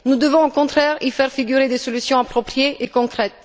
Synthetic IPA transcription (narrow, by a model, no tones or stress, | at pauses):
nud̪əvɔ̃okɔ̃t̪χɛʁifɛʁfiɡʲyʁed̪esɔlysjɔ̃apχɔpχjeʔekɔ̃kχɛt̪̚